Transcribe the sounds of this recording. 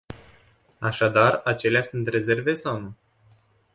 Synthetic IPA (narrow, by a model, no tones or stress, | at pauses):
aʃad̪arat͡ʃe̞leasunt̪re̞ze̞rve̞sawnu